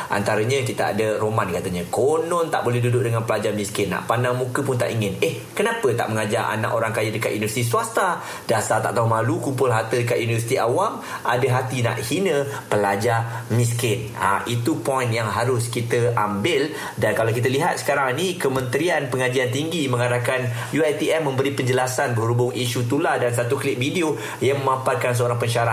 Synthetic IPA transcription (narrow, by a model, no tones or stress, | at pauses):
ʔa̰nt̪aɾəɲə̃kit̪aa̰dəɾomankat̪əɲakonɔnt̪a̰ʔbolɛhɦdudʊʔ̚dəŋanpəlad͡ʒamĩskɪnːa̰ʔpanaŋmũkəpʊnt̪a̰ʔiŋɪneh | kənapət̪a̰ʔməŋad͡ʒaʔa̰na̰ʔoɾaŋkajadəkat̪̚uniəst̪isuast̪a | dasat̪a̰ʔt̪aɦumalukumpʊlɦat̪ədəkat̪junivəsi̥t̪iawam | ʔadəɦat̪ina̰ʔhinə̃pəlad͡ʒamis̬kɪn | a̰it̪upɔjinjaŋɦaɾʊskit̪əʔambɪl | dankalawkit̪̬əliɦat̪̚sə̥kaɾaŋnikəmə̃nt̪ɾianpəŋad͡ʒiant̪iŋɡimə̃ŋadakan | juajt̪iɛmːə̃mbəɾipəɲd͡ʒəlasanbəɾubʊŋʔiʃut̪uladans̬at̪uklɪk̚video | jaŋmə̃mãmpar̚kans̬əoɾaŋpəɲʃaɾa